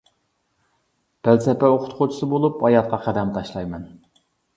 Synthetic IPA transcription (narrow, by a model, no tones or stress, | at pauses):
b̥ælsɛpɛoqʰʊ̥t̪qʰot͡ʃʰi̥sɨbolˠupɑjɑt̪̚qɑqʰæd̪ɛmt̪ʰɑʃlˠɑjmɛn